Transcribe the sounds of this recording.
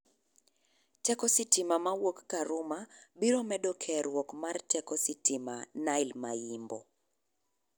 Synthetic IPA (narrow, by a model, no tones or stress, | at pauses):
tɛkɔsitɪmamawokːaɾʊmabiɾɔmɛdɔkʰɛɾwɔkmartɛkɔsitima̰naɪlmajimbɔ̰